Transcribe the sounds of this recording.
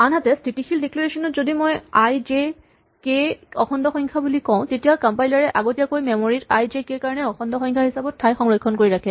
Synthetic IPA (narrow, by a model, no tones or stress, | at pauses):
anɦatɛstitixʰildeklɔɹesɔnɔtzodimojajd͡ʒe | keɔxʰɔndɔxɔjŋkʰabulikɔ̃ʊ̃tetijakampajlaɹɛʔaɡotijakojmemoɹitajzekekaɹɔnɛɔxʰɔndɔxɔ̃jŋkʰaɦisabɔtʰːajxɔŋɹɔkʰːɔnkoɹiɹakʰɛ̃